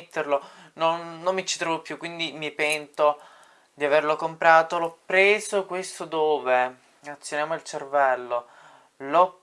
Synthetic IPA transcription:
t̪ːerlo | nonːomːit͡ʃi̥t̪ɾovopːjukːwind̪imipɛnt̪o | d̪iaverlokompɾaːt̪olɔpːɾeːzokwest̪od̪oːve | at̪sːjonjaːmoilt͡ʃervɛlːo | lɔ

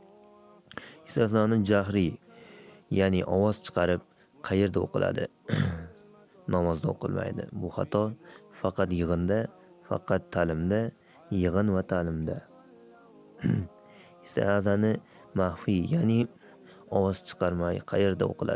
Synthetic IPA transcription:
hɪsazanɪd͡ʒaɦɾɪ | janɪʔɒwɒz̥t͡ʃʰɨ̥qʰɑɾɪp̚ | qʰɑje̞ɾd̪ao̰qʰɨla̰d̪ɪ | nɒmɒzd̪a̰o̰qʰɨ̰lˠma̰jd̪ɪ̰bʊχɑ̰t̪ʰɒfɑqɑt̪jɨʁɨnd̪a | fɑ̰qʰɑt̪ʰːalɪmd̪a | jɨʁɨnvat̪ʰalɪmd̪a | hɪsa̰azanɪ | mahfijanɪ | ɒwɒz̥t͡ʃʰɨ̥qʰɑɾmajqʰɑjeɾd̪a̰o̰qʰɨlˠa̰ɪ

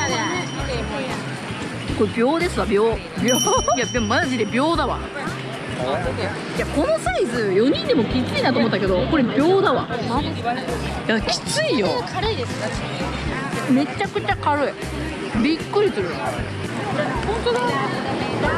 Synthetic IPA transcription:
koebʲo̞ːd̪e̞sɨβabʲjo̞ː | bʲojabʲomaʑid̪e̞bʲjo̞ːd̪aβa̰ | jako̞no̞saizɨjo̞ɲ̟ĩnd̪e̞mokʲit͡sɨinat̪oːmot̪ːake̞d̪o̞ko̞ɾebʲo̞ːd̪aβa | jakʲi̥t͡sɨijokʰaɾɯid̪esɨ̥ka | me̞t͡ɕakɯ̟t͡ɕakaɾɯi | bʲikːɯ̟ɾʲisɨɾɯ̟ | hõnt̪oa

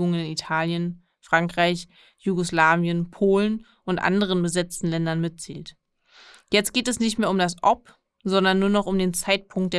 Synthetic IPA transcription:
ʊŋənɪnitʰaːljən | fʁ̥aŋkʁ̥aɪç | juɡoslaːvjənpʰoːlən | ʔʊntʔa̰ndəʁ̞ənbəzɛt͡stn̩lɛndɐnmɪt̚t͡sḭːlt | jɛt͡st̚ɡ̥eːtɛsnɪçtmeːɐʊmdasʔɔp | zɔndɐnːuːɐnɔχʊmdeːnt͡saɪt̚pʰʊŋk̚t̚d̥eː

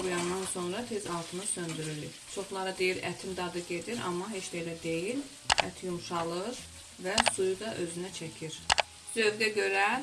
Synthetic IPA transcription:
ɾjɑnːɑnso̞nɾɑt̪ʰe̞zɑlˠt̪ʰɯmɯsø̞nd̪yɾyli | t͡ʃʰo̞χlˠɑɾɯd̪ejiɾæ̰t̪ʰimd̪ɑd̪ɯɟe̞d̪iɾɑ̰mːɑɦe̞t͡ʃlejlæd̪e̞jil | æ̰t̪ʰjumʃɑlˠɯɾ | væsujud̪ɑʔø̞zynæt͡ʃʰæcʰiɾ | z̥ø̞vɡ̪æɟø̞ɾæ

